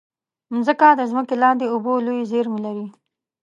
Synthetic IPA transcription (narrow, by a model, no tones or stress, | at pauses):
mzəkad̪əzməkelɑnd̪eʊbolojzeɾmelaɾi